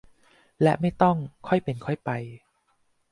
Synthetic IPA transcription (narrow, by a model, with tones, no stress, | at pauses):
lɛ˦˥ma˥˩jt̪ɔ˥˩ŋkʰɔ˥˩jpe˧nkʰɔ˥˩jpa˧j